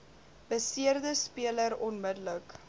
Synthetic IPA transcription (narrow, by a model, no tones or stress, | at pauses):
b̥əsiərdəspiələɾɔnmədələk